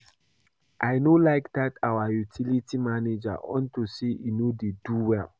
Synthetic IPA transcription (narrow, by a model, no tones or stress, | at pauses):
ʔaɪnolaɪkdatawajutʰilitʰimaned͡ʒa̰ʔɔ̰̃ntuseʔinodeduwɛl